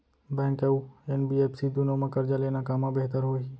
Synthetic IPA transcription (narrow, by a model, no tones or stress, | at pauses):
bɛ̃ːŋkɛuɛnbiːeːpsid̪ʊnõmãkəɾd͡ʒaleːnakaːmãbeɦt̪əɾɦoːi